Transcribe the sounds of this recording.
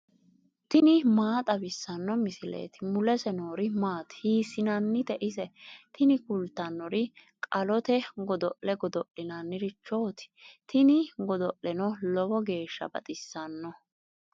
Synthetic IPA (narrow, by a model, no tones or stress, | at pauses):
t̪ɪnɪmaːt̪ʼɐbɪsːɐnːɔmɪsɪlḛːt̪ɪmʊlɛsɛnoːɾɪmaːt̪hiːsːɪnɐnːɪt̪ɛʔɪsɛt̪ʰɪnɪkʊlt̪ːɐnːɔɾɪ | kʼɐlɔt̪ɛɡɔd̪ɔʔlɛɡɔd̪ɔʔɪnɐnːɪɾɪt͡ʃːo̞ːt̪ɪ̥t̪ʰɪnɪɡɔd̪ɔʔlɛnɔlɔbɔɡe̞ːʃːɐ̰bɐ̰t̪ʼɪsːɐnːɔ